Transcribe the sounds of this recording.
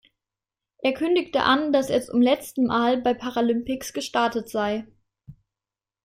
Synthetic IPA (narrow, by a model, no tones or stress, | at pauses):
ʔeːɐkʰʏndɪktə̰ʔandasjɛstʊ̰mlɛt͡stn̩mʔaːlbaɪpʰaʁalʏmpɪksɡ̥əʃtaɐtətz̥aɪ